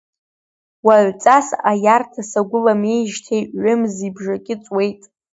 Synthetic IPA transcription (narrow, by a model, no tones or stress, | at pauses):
waʕʷt͡sʼasajartʰasaɡʷʊlame̞jʒtʰejʔːʊmzibʐakʲʼɪt͡sʼwe̞jtʼ